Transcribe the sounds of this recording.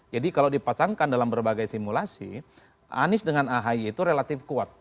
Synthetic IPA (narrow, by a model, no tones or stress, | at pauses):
d͡ʒadikalawdipasaŋkandalambərbaɡajsimulasḭ | ʔa̰nɪsdəŋanaɦaiːt̪uɾelat̪ɪfkuat̪̚